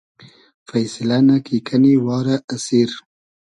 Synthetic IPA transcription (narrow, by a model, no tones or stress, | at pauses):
fajsɪlanakikʰaniwɑːɾaʔːsiɾ